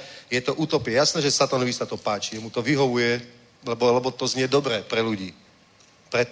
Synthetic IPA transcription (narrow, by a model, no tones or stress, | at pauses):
jɛt̪ɔʔuːt̪ɔpjɛjasnɛːʒɛsat̪anɔʋisat̪ɔpaːt͡ʃiɛmut̪ɔʋiɦɔʋujɛ | lɛbɔlɛbɔt̪ɔzɲɪɛd̪ɔbɾɛːpɾɛluɟiː | pɾɛt̪